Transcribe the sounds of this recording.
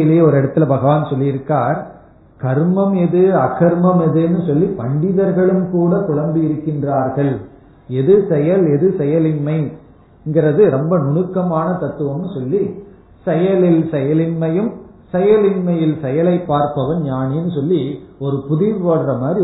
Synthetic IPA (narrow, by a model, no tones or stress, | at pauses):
ɪleːjɐɔɾɛɽɐt̪ːɪlɐbɐɣɐʋaːnsɔlːɪɪɾɯkːaːɾ | kɐɾmɐmɛðɯɐkːɐɾmɐmɛðɯɛnːɯsɔlːipɐɳɖɪðɐɾɣɐɭɯmkuːɽɐkʊɻɐmb̪ɯjɪɾɯkːɪndraːɾɣɐɭ | ɛðɯsɛjɐlɛðɯsɛjɐlɪnmɐɪ | ɪŋɡɪɾɐðɯɾɔmbɐnʊɳɯkːɐmaːnɐt̪ɐt̪ːɯʋɐmnɯsɔlːi | sɛjɐlɪlsɛjɐlɪnmɐjɯm | sɛjɐlɪnmɐjɪlsɛjɐlɐɪpːaːɾpɐʋɐnɲaːneːnːɯsɔlːiɔɾɯpʊðɪɾʋoːɽrɐmaːd̪ɾi